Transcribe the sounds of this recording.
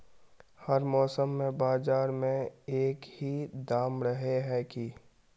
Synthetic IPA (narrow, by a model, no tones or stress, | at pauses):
həɾmɔːsəmːẽbaːzaːɾmẽeːkhid̪aːmɾəɦeɦɛki